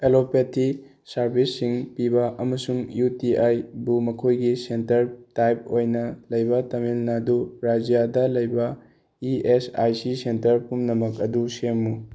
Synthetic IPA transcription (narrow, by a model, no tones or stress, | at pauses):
elopetʰi | sɐɾbʱisːiŋpibɐʔɐmɐsuŋjutiʔajbumɐkʰojɡisentɐɾtajp̚ojnɐlɐjbɐtɐmilnɐduɾad͡ʒijadɐlɐjbɐ | iesa̰jsisentɐɾpumnɐmɐkɐdusemːu